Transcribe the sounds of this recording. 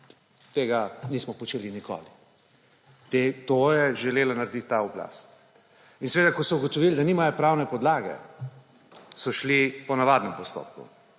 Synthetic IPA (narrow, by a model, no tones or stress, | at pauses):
t̪eːɡanismɔpɔt͡ʃeːliniko̰ːli | t̪et̪ojɛʒɛleːlanaɾɛd̪it̪ːaɔbla̰st̪ | insʋeːd̪akɔsɔuɡɔt̪ɔʋild̪aniːmajɔpɾawnɛpɔd̪laːɡɛ̰ | sɔʃlipɔnaʋaːd̪nɛmpɔst̪o̰ːpkṵ